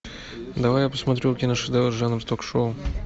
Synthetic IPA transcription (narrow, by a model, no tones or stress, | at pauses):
d̪ɐvajapəsmɐt̪ɾʲuʊkʲinəʂɨd̪ɛlˠəʐanɾt̪okʂoʊ